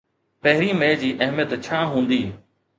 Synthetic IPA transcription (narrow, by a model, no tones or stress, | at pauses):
pɐɦɪɾimẽd͡ʑiːʔɐɦmjət̪t͡ɕʰaːɦũːn̆d̪iː